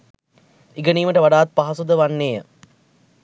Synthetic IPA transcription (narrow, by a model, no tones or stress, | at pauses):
iɡəniːməʈəʋaɖaːt̪̚paɦɐsud̪əʋanːeːə